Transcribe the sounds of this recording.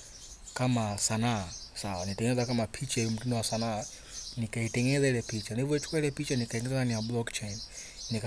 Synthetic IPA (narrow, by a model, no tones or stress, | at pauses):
kamasanaasawa̰nitɛŋɛnɛzakamapʰit͡ʃaɔmutinɔwasanaː | nikaitɛŋɛnɛzailɛpit͡ʃanivɔɛt͡ʃʰu̥kwailɛpit͡ʃanikaiŋɛzɛzaniablɔkt͡ʃɛnnik